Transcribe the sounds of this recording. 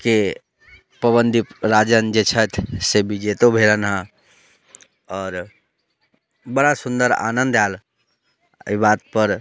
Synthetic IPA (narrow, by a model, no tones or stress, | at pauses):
ke | pəbənd̪ʱiɾad͡ʒənd͡ʒet͡ʃʰət̪ʰsebid͡ʒet̪obʱelənɦã | ɔːɾ | bəɽasund̪əɾa̰nənd̪al | ibat̪̚pəɾ